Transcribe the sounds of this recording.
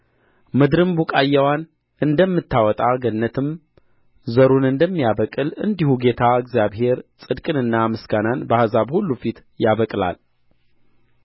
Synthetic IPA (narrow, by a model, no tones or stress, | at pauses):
mɨd̪ɾɨmbukʼajːawan | ʔɨnd̪əmːɨt̪ːawɔt̪ʼaɡənːət̪ʰɨm | zəɾunɨnd̪əmːijaβəkʼɨlɨ̰nd̪ihuɡe̞t̪ʰaɨɡzijaβɦe̞ɾsʼɨd̪kʼɨnɨnːamɨsɡananbəhazabhulːufit̪jaβəkʼla̰l